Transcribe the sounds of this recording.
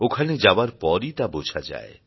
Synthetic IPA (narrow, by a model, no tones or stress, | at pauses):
okʰaned͡ʑabaɾpɔɾit̪abod͡ʑʱʰad͡ʑa̰e